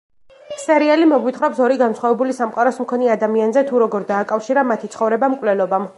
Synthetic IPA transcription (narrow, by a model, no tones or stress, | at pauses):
sɛɾialimɔɡwit̪χɾɔpsɔɾiɡansχwavɛbulisamqʼaɾɔsmkʰɔniad̪amianzɛt̪ʰuɾɔɡɔɾd̪aːkʼafʃiɾamat̪ʰit̪sʰχɔvɾɛbamkʼvwlɛlɔbam